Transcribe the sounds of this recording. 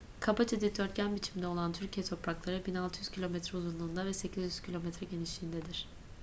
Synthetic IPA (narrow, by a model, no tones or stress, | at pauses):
kʰabat͡ʃed̪id̪øɾt̪cænbit͡ʃʰimd̪ɛo̞lˠant̪ʰyɾcijɛt̪ʰo̞pɾaklˠaɾɯbinalˠt̪ʰɯjyz̥cʰilʲomɛt̪ɾɛuzunlˠuːnd̪avɛse̞cʰizjyz̥cʰilʲo̞mɛt̪ɾɛɟe̞niʃt̪iːnd̪ɛd̪iɾ̝̥